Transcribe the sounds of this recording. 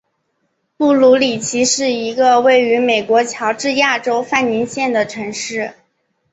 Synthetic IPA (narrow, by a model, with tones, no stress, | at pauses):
pu˥˩lu˧˥li˨˩t͡ɕʰi˧˥ʂɻ̩˥˩i˧˥ɡə˧we˥˩ɪy˧˥me˨˩ɪkwɔ˧˥t͡ɕʰjɑ˧˥ʊʈ͡ʂɻ̩˥˧ja˥˩ʈ͡ʂo˥ʊfa˥˩nni˧˥nɕjɛ˥˩nd̪ə˩ʈ͡ʂʰɤ˧˥ŋʂɻ̩˥˩